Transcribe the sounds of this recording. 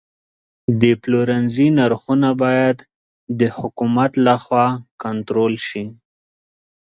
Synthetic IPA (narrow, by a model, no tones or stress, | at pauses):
d̪əploɾanzinaɾxunabɑjad̪ | d̪əhʊkumat̪laxwɑkant̪ɾolʃi